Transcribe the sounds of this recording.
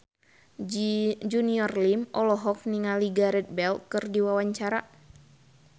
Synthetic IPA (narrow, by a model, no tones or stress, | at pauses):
d͡ʒuniɔrlimʔɔlɔɦɔk̚niŋaliɡaɾɛt̪̚bɛlkɨrdiwawaɲt͡ʃaɾa̰